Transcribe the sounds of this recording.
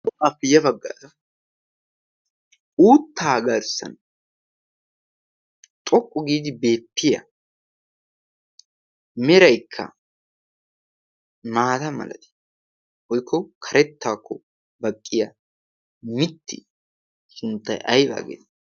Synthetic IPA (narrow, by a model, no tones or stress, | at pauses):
ɔafɪjɐbɐɡːa̰ːɾɐ | uːt̪ːaːɡɐɾsɐ̰n | t̪ʼɔkʼːɔɡiːd̪ɪbe̞ːpːɪjɐ̰ | mɛɾɐjkʰːɐ̰ | maːt̪ɐmɐ̰lɐ̰t̪ɪ̥ | wɔjkʰːɔkʰɐɾɛt̪ːaːkːɔ | bɐkʼːɪjɐ | mɪt̪ʰːɪ̰ | sʊnt̪ːɐ̰jʔɐjba̰ːɡɛ̰t̪